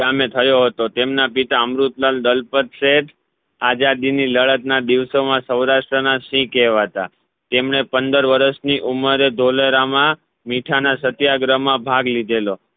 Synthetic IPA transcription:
amet̪ʰəjoɦət̪ot̪emnapit̪aəmɾut̪lald̪əlpət̪seʈʰ | ad͡ʒad̪iniləɭət̪̚nad̪iʋsomãsəwɾaʃʈɾənasĩkɛɦʋat̪a | t̪emɳepənd̪əɾʋəɾəsniʔuməɾed̪ʱoləɾamã | miʈʰanasət̪jaɡɾəmãbʱaɡlid̪elo

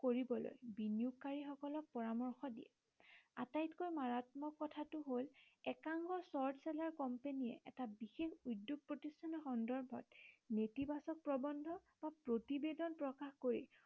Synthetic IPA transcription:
koɹibɔlo̰jbinjukːaɹixɔkɔlɔk̚pɔɹamɔɹxɔdḭjɛ̰ | a̰tajtkojmaɹatmɔkːɔtʰatʊɦolɛkaŋɡɔsɔɹdsɛlaɹkɔmpeniɛ̰ʔɛtabixexujdjuɡ̚pɹotistʰanɔxɔndɔɹbʱɔ̰tnetibasɔk̚pɹɔbɔndʱɔ | bapɹotibedɔnpɹɔkaxkoɹḭ

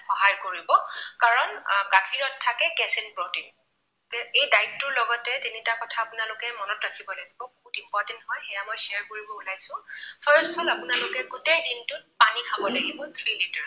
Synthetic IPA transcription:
xɔɦajkoɹibɔkaɹɔnkakʰiɹɔtʰːakɛkɛsenpɹotiŋ | kɛejdajtːʊɹlɔɡɔtɛtinitakɔtʰaːpʊnalʊkɛmɔnɔtɹakʰibɔlaɡibɔboɦutimpɔtɛntɦɔjxɛjamɔjsiaɹkoɹibɔulajsʊ̃pʰəɹstfʰɔlapʊnalʊkɛɡutejdintʊt̚panikʰabɔlaɡibɔt̪ʰɹilitaɹ

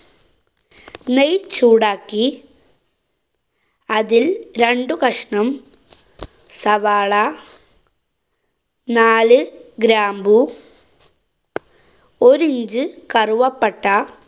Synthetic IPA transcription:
nejt͡ɕːuːɽaːkːi | ɐðilɾeɳɖukɐʂɳɐm | sɐʋaːɭɐ | naːlɨɡɾaːmbu | oɾiɲd͡ʑɨkɐruʋɐpːɐʈːɐ

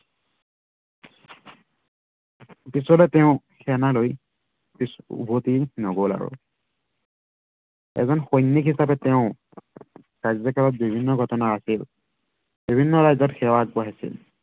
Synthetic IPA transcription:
pisɔlɛtɛʊ̃ | xʰɛnaloj | pisbʱotinɔɡola̰ɹṵ | ɛ̰zɔnxojnːikɦisapɛtɛʊ̃ | ɹazɔkalɔt̚bibʱinːɔɡʱɔtɔnaːsil | b̥ibʱinːɔɹajzɔtxɛwaɡbɔɦasḭl

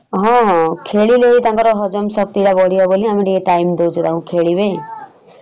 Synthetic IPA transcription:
ɦɔ̃ɦɔ̃kʰeɭileit̪ãŋkɔɾɔɦɔd͡ʒɔmsɔk̚t̪iʈabɔɽijaboliamiʈieʈaimd̪ewt͡ʃʰut̪ãɦũkʰeɭibe

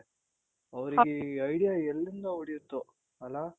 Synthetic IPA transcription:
ɐʋɐɾiɡeɐjɽijaɛlːind̪ɐuɽijut̪ːu | ɐlːa

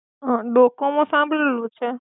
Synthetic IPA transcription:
ɦãɖokomãsãmbʱɭelũt͡ʃʰe

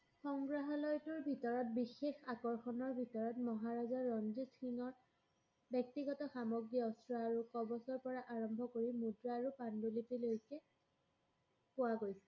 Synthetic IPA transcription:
xɔŋɡɹaɦɔlɔjtʊɹbʱitɔɹɔt̚bixexakɔɹxɔnɔɹbʱitɔɹɔtmɔɦaɹazaɹɔnzisʰinɔɹ | bjɔk̚tiɡɔtɔxamɔɡɹiɔsɹaːɹukɔbɔsɔɹpɔɹaʔaɹɔmbʱɔkoɹimudɹaːɹupandulitilojkɛ | pʊwaɡojsɛ

